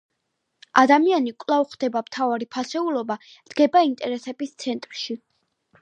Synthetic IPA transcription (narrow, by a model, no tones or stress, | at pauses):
ad̪amianikʼlˠavχd̪̥ɛbamt̪ʰavaɾipʰasɛulˠɔbad̪̥ɡ̥ɛbaint̪ʼɛɾɛsɛbist̪sʰɛnt̪ʼɾʃi